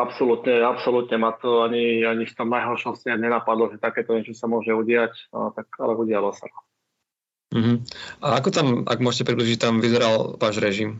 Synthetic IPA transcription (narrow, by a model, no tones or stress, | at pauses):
apsɔlut̪ɲɛapsɔlut̪ɲɛmat̪ɔaɲiaɲift̪ɔmnajɦɔɾʃɔstɛɲɛnapad̪lɔʒɛt̪akɛːt̪ɔɲɛt͡ʃɔsamʊɔʒɛuɟɪact̪aka̰lɛuɟɪalɔsa̰ɾa | m̩ɦm̩ʔaakɔt̪amʔa̰ɡmʊɔʃɛcɛpɾibliʒic̚t̪amʋizɛɾalʋaːʒɾɛʒim